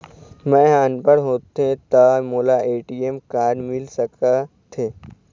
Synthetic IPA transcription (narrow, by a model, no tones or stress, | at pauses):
mɛ̃ːɦaːnpəɽɦoːt̪ẽt̪amoːlaːʔeːʈiːemkaːɾmɪlsəka | t̪ʰeː